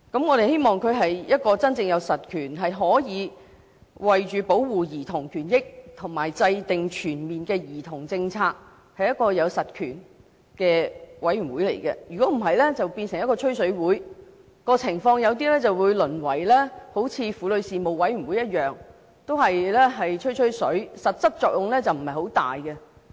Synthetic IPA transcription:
kɐ˨˥mŋɔː˨˧ɾe˨jhe˥jmɔː˨˩ŋkʰɵ˨˧ɥɦɐ˨jjɐ˥t̚kɔː˧t͡sɐ˥nt͡sɪ˧ŋjɐ˨˧wsɐ˨˩t̚kʰyː˨˩nɦɐ˨jɦɔː˨˥jiː˨˧ | wɐ˨jt͡ʃyː˨po˨˥wwuː˨jiː˨˩t̪ʰʊ˨˩ŋkʰyː˨˩njɪ˥k̚t̪ʰʊ˨˩ŋmaː˨˩jt͡sɐ˧jt̪ɪ˨ŋt͡ʃʰyː˨˩nmiː˨nkɛː˧jiː˨˩t̪ʰʊ˨˩ŋt͡sɪ˧ŋt͡sʰaː˧k̚ | hɐ˨jɐ˥t̚kɔː˧jɐ˨˧wsɐ˨t̚kʰyː˨˩n | kɛː˧wɐ˨˥jɥy˨˩nwuː˨˥jlḛ˨˩jkɛ̰˧jyː˨kɔː˨˥m̩˨˩ɦɐ˨jlɛ˥t͡sɐ˨wpiː˧nsɪ˨ŋjɐ˥t̚kɔː˧ɵ˥ɥsɵ˨˥ɥwuː˨˥j | kɔː˧t͡sʰɪ˨˩ŋfɔː˧ŋjɐ˨˧wt̪iː˥lɛː˥t͡sɐ˨wwuː˨˧jlɵ˨˩nwɐ˨˩jlɛː˥ho˨˥wt͡sʰiː˧fuː˨lɵ˨˧ɥsiː˨mo˨˩wwɐ˨˥jɥy˨˩nwu˨˥jɐ˥t̚jœː˨ŋ | t̪o˥whɐ˨jlɛː˥ɦɐ˨jt͡ʃʰɵ˥ɥt͡ʃʰɵ˥sɵ˨˥ɥsɐ˨t̚t͡sɐ˥t̚t͡ʃɔː˨k̚jʊ˨ŋlɛː˥t͡sɐ˨wm̩˨˩hɐ˨jho˨˥wt̪a̰ː˨jkɛ˧

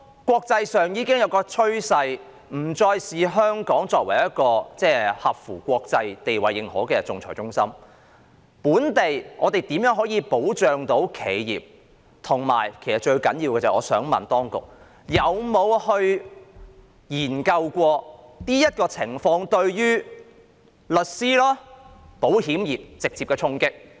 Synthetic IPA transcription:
kʷɔː˧k̚t͡sɐ˧jsœː˨ŋjiː˨˧kɪ˥ŋjɐ˨˧wkɔː˧t͡ʃʰɵ˥ɥsɐ˧j | m̩˨˩t͡sɔː˧jsiː˨ɦœː˥ŋkɔː˨˥ŋt͡sɔː˧k̚wɐ˨˩jɐ˥t̚kɔː˧t͡sɛː˥˩hɐ˨p̚fuː˨˩kʷɔː˧k̚t͡sɐ˧jt̪e˨jwɐ˨jːɪ˨˩ŋhɔ̰ː˨˥kɛː˧t͡sʊ˨˧ŋt͡sʰɔ̰ː˨˩jt͡sʊ˥ŋsɐ˥m | puː˨˥nt̪e˨˩jʔɔː˨˧t̪e˨jt̪i˨˥mjœː˨˥ŋɦɔː˨˥jiː˨˧po˨˥wt͡ʃœː˨ŋt̪o˨˥wkʰe˨˧jjḭː˨p̚ | t̪ʰʊ˨˩ŋma̰ː˨˩jkʰe˨˩jsɐ˨t̚t͡ʃɵ˧ɥkɐ˨˥njiː˧wkɛː˧t͡sɐ˨˩ɔː˨˧sœː˨˥ŋmɐ̰˨˩nt̪ɔː˥ŋkʊ̰˨k̚ | jɐ˨˧wmo˨˧whɵ˧ɥ | jiː˨˩nkɐ˧wkʷɔː˧niː˥jɐ˥t̚kɔː˧t͡sʰɪ˨˩ŋfɔː˧ŋt̪ɵ˧ɥɥyː˥ | lɵ˨t̚siː˥laː˥po˨˥whiː˨˥mjiː˨p̚t͡sɪ˨k̚t͡siː˧p̚kɛː˧t͡sʰʊ˥ŋkɪ˥k̚

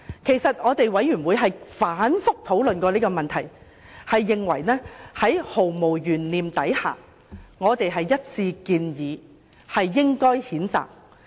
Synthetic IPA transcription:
kʰe˨˩jsɐ˨t̚ŋɔː˨˧t̪e˨jwɐ˨˥jyː˨˩nwuː˨˧jɦɐ˨jfaː˨˥nfʊ˥k̚t̪ʰo˨˥wlɵ˨nkɔː˧liː˥kɔː˧mɐ˨nt̪ʰɐ˨˩j | hɐ˨jːɪ˨ŋwɐ̰˨˩jnɛː˥hɐ˨˥jho˨˩wmo˨˩wjyː˨˩nliː˨mt̪ɐ˨˥jha̰ː˨ | ŋɔː˨˧t̪e˨jɦɐ˨jːɐ˥t̚t͡sʰiː˧kiː˧njiː˨˧ | hɐ˨jːɪ˥ŋkɔː˥jhiː˨˥nt͡sa̰ː˨k̚

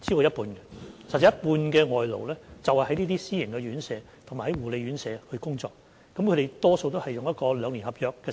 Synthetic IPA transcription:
t͡siː˥kɔː˧jɐ˥t̚puː˧nɡɛ˧sɐ˨˩t̚t͡sɛ˨˦jɐ˥t̚puː˧nkɛː˧ŋɔː˨jlo̰˨˩wlɛː˥t͡sɐ˨whɐ˨˩jɦɐ˨˦jniː˥t̪iː˥siː˥jɪ˨˩ŋkɛ˧ɥyː˨˥nsɛː˨˧ | t̪ʰʊ˨˩ŋmaː˨˩hɐ˨˦jwuː˨˩le˨˧jɥyː˨˥nsɛː˧hɵ˧kʊ˥ŋt͡sɔː˧k̚ | kːɐ˨˦mkʰɾe˨jt̪ɔː˥so˧wt̪o˥whɐ˨jʊ˨ŋjɐt̚kɔː˧lœː˨˧ŋli˨˩nhɐ˨p̚jœː˨˧kːɛː˧

